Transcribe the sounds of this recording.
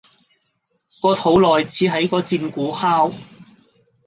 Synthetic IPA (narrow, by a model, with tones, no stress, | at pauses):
kɔː˧t̪ʰo˨˥wlɔː˨jt͡sʰiː˨˥ɦɐ˨˥jkɔː˧t͡siː˧nkuː˨˥haː˥w